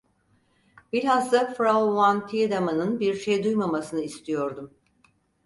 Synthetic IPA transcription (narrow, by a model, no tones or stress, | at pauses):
biɾɦazd̪afɾaovant̪ʰid̪amanɯnbiɾʃejd̪ujmamasɯnɯist̪ʰijo̞ɾd̪um